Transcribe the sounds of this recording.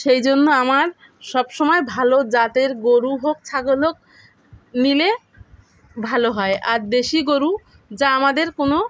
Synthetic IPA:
ʃejd͡ʑonːoamaɾ | ʃɔbʃɔmɔebʱalod͡ʑat̪eɾɡoɾuɦok̚t͡ɕʰaɡolok̚ | nile | bʱaloɦɔeʔaɾd̪eʃiɡoɾu | d͡ʑaamad̪eɾkono

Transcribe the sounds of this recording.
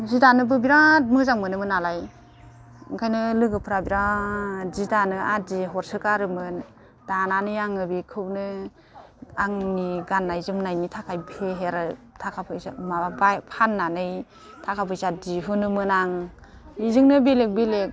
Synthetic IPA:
zidanɯbɯbiɾat̚mɯzaŋmɯnɯmɯnalaj | ɯŋkʰajnɯlɯɡɯpʰɯɾabiɾa | zidanɯadiɦɔɾsɯkaɾɯmɯn | d̥ananɯjaŋɯbikʰɯwnɯ | aŋniɡanːajzɯmnajnitʰakʰajpʰeɦeɾatʰakʰapʰɯsamabapʰanːanɯj | tʰakʰapʰɯsadiɦɯnɯmɯnaŋ | izɯŋnɯbelek̚belek̚

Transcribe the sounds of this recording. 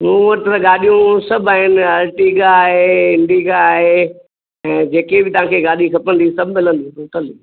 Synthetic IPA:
mũːʋɐt̪ɾəɠaːɗijũsɐbʱaːɦɪnɪ̆aːɾʈiɡaːɦeɪ̃ɳɖiːɡaːɦe | ɛ̃ːd͡ʑeːkebɪt̪ɐʋ̤ãːkʰeːɡaːɗikʰɐpəñd̪isɐbʱmɪlə̃nd̪ĩt̪ũːt̪əli

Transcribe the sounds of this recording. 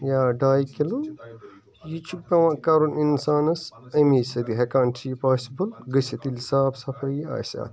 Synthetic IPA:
jaːɖaːjkelun | jit͡ʃʰukɐwɐ̃kɐɾuninsaːnɐsɐmiːsɐd̪iɦɐkaːntʰiːpaːsibɐlɡɐsɐt̪ilsaːbsɐfʰɐia̰ːsa̰ːt̪

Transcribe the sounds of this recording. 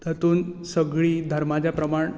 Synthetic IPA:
t̪ət̪uːnsəɡɭiːd̪ʱəɾmad͡ʑjapɾəmaɳ

